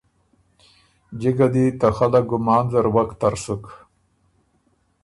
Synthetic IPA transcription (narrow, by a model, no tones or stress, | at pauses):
d͡ʒiɡad̪it̪axalaɡʊmɑːnzaɾwakt̪aɾsuk